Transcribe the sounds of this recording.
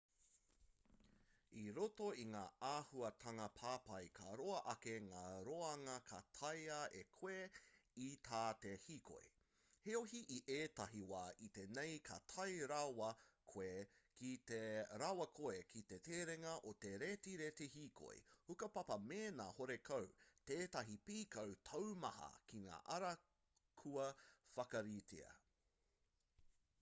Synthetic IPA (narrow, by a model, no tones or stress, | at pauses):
iɾoto̞iŋaːaːhuɐt̪ʰɐŋɐpʰaːpɐjkʰɐɾoɐʔɐkeŋaːɾoɐŋɐkʰɐtʰɐjɐekʰweit̪ʰaːtehiːkʰo̰j | heoɦiʔiʔeːtɐɦiwaːʔit̪enejkʰɐ̰tʰɐjɾawɐkʰoekit̪eɾawɐkʰoekʰit̪eteːɾeŋɐʔot̪eɾetiɾet̪ehikʰo̞̰j̰hukɐpɐpɐmeːnaːhoɾekʰɐwteːtɐɦipiːkɐwtʰɐwmɐhɐ̰kiŋa̰ːʔɐɾɐ | kʰuɐfɐkɐɾitʰḭɐ̰